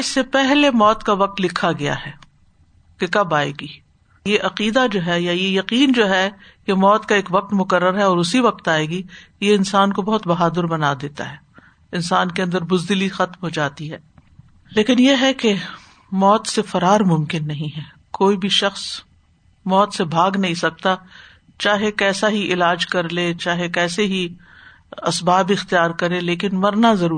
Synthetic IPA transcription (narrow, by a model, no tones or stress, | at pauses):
ɪsːepɛɦlemɔːt̪kaʋɐq̚t̪lɪkʰaɡɐja̰ɦɛː | kekɐbaːḛːɡiː | jeʔɐqiːd̪ad͡ʒoːɦɛjajejɐqiːnd͡ʒoːɦɛ | jemɔːt̪kaeːkʋɐq̚t̪mʊkəɾːəɾɦɛɔːɾʊsiʋɐq̚t̪aːeːɡijeɪnsaːnkobɔɦʊt̪bɐɦaːd̪əɾbɐnaːd̪eːt̪a̰ɦɛː | ɪnsaːnkeɐ̃nd̪əɾbʊzd̪ɪlixɐt̪mɦod͡ʒaːt̪iɦɛː | leːkɪnjeɦɛke | mɔːt̪sefɐɾaːɾmʊ̃mkɪnːɐɦĩɦɛː | koːibʱiʃɐxs | mɔːt̪sebʱaːɡnɐɦĩsɐk̚t̪a | t͡ʃaːɦekɛːsaɦiʔɪlaːd͡ʒkɐɾlet͡ʃaːɦekɛːseɦi | ɐsbaːbɪxt̪ijaːɾkɐɾẽleːkɪnmɐɾnazɐɾuː